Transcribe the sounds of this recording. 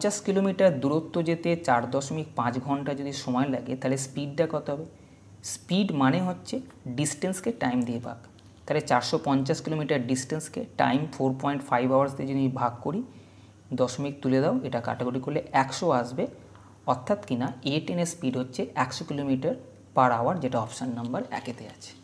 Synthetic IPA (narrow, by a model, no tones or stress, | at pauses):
t͡ɕaʃkilomiʈaɾd̪uɾot̪ːod͡ʑet̪et͡ɕaɾd̪ɔʃomik̚pãt͡ɕɡʱɔɳʈad͡ʑod̪iʃɔmɔelaɡet̪aɦlespiɖ̚d̪ɛkɔot̪eɦɔbe | spiɖmaneɦotːɕʰe | ɖisʈenskeʈajmd̪ieba̰k | t̪aɦlet͡ɕaɾʃɔpɔɲt͡ɕaʃkilomiʈaɾɖisʈenskḛʈa̰jmfoɾpɔjɳʈfajbawaɾst̪ed͡ʑod̪ibʱaɡ̚koɾi | d̪ɔʃomik̚t̪uled̪aoeʈaka̰ʈeɡoɾikoɾleʔɛkʃoaʃbe | ɔɾt̪ʰːat̪kinaeʈenespiɖɦotːɕʰeʔɛkʃokilomiʈaɾ | paɾaoaɾd͡ʑeʈaɔpʃanːambəɾɛ̰ket̪ea̰t͡ɕʰe̥